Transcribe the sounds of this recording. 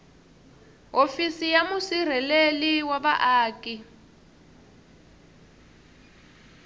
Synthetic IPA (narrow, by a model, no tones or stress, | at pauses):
ɦofisijamusir̤ɛleliwaɓa̰ʔaːkʼi